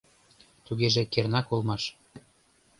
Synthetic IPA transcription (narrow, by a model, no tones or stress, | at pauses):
t̪uɣeʒĕkernɑkolˠmɑʃ